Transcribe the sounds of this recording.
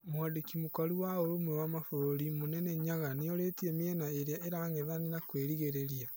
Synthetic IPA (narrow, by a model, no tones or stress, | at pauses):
mwadekimukaɾuwaoɾomwɛwamafoɾoɾimonɛnɛɲaɣaneɔɾetiɛmjɛnaeɾeaeɾaːŋɛðanenakweːɾiɣeɾeɾia